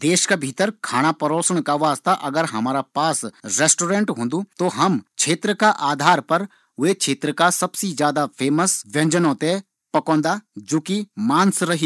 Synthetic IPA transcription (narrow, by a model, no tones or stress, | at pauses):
d̪eːʃkabʱiːt̪əɾkʰaːɽ̃apɐɾoːsəɽ̃kaʋaːst̪aʔɐɡəɾɦɐmaːɾapaːsɾeːsʈoːɾẽɳʈɦõːnd̪ut̪oɦɐmt͡ʃʰeːt̪ɾəkaʔaːd̪ʱaːɾpɐɾ | ʊet͡ʃʰeːt̪ɾəkasɐbsid͡ʒjaːd̪apʰeːməsʋjɐ̃ɲd͡ʒənõːt̪e | pɐkɔ̃ːnd̪ad͡ʒoːkimãːnsɾɐɦi